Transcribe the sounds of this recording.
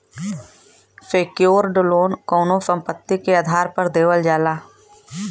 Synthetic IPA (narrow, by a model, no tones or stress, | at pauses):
fʰeːkjoːɾɖʊloːnkoːnosə̃mpət̪ːikeaːd̪ʱaːɾpəɾd̪eːwəld͡ʒaːlaː